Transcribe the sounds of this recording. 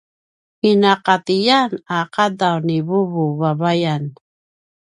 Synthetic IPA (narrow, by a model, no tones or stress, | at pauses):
inaqat̪ijanaqadawniβuβuvavajan